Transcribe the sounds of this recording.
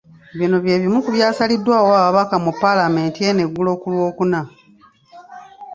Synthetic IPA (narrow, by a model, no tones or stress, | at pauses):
βino̞βje̞ːβimukuβjaːsalidːwaːwaːaβakamupːalame̞ːntie̞ne̞ɡːulo̞ːkulwo̞ːkuna